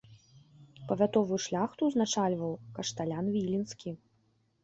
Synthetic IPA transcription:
pɐvʲat̪ɔvujuʂlʲaxt̪uznat͡ʂalʲvɐwkɐʂt̪alʲanvʲilʲinskʲi

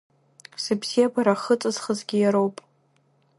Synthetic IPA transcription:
sɨbz̥ijabʰaɾaχət͡sʼɨzχəzɡʲɪjaɾowpʼ

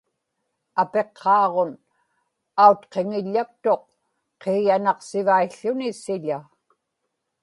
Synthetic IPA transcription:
ape̞qʰːɑːʁon | aut̪qe̞ŋɪʎːak̚t̪o̞q̚ | qʰeːjanɑqsɪvaiɬːʊnɪsɪʎa

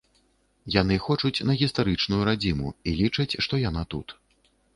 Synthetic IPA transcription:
jan̪ɨxɔt͡ʂut͡sʲnɐɣʲist̪aɾɨt͡ʂnujuɾad͡zʲimṵilʲit͡ʂɐt͡sʲʂt̪ɔjanat̪ṵt̪

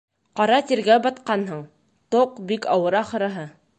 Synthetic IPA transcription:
qɑɾɑt̪iɾɡæbɑt̪qɑnɦɤɴ | t̪oqbikɑwɤɾɑχɤ̆ɾɤ̆ɦɤ

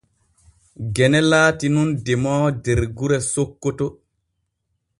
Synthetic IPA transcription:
ɡɛnɛlaːtinundɛmɔːdeɾɡuɾɛsokːɔtɔ

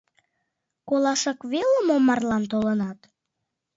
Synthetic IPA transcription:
kolɑʃɑkβeləmomɑrlɑnt̪̬olənɑt̪

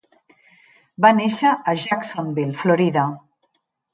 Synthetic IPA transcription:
baneʃəʔːʒaksonbilfloɾiða

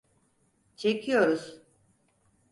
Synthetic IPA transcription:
t͡ʃʰecʰijo̞ɾuz̥

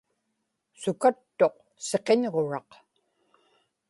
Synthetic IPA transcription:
sukat̪ːo̞q | se̞qe̞nʁo̞ɻɑq

